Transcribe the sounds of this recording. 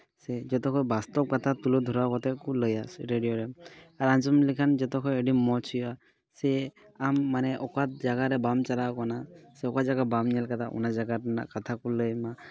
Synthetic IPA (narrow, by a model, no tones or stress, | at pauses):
sɛzɔt̪ɔkʰɔjbast̪ɔp̚kat̪ʰat̪ulud̪ʱuɾakɔt̪ʰɛkuləjasɾeɖijɔɾɛaɾanzɔmlikʰanzɔt̪ɔkʰɔjeɖimːɔt͡ʃʰija | sɛ | amːanɛʔɔkat̪̚d͡ʒaɡaɾɛbamt͡ʃalakɔnasɛɔkazaɡabamnalkat̪ʰaʔṵnazaɡanakat̪ʰakuləjma